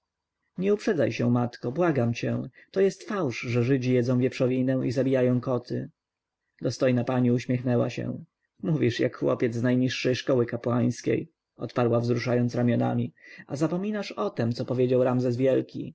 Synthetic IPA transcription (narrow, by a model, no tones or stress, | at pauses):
ɲɛupʂɛd̪zajɕɛ̃mat̪kɔbwaɡamt͡ɕɛ̰t̪ɔjɛst̪fawʂʐɛʐɘd͡ʑijɛd̪zɔ̃w̃vʲjɛpʂɔvʲinɛw̃izabʲijajɔ̃w̃kɔt̪ʰɘ̰ | d̪ɔst̪ɔjnapaɲiuɕmʲjɛxnɛwa̰ɕɛ̰ | muvʲiʂja̰kxwɔ̰pʲjɛd̪znajɲiʂːɛjʂkɔwɘkapwaj̃skʲḛj | ɔ̰t̪paɾwavzɾuʂajɔnt̪sɾamʲjɔna̰mʲiazapɔmʲinaʂɔt̪ɛmt̪sɔpɔvʲjed͡ʑawɾamzɛsvʲjɛlkʲḭ